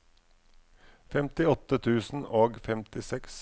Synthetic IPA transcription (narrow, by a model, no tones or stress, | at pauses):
fɛmt̪ɪɔt̪ət̪ʰʉːsn̩oːɡfɛmt̪ɪsɛks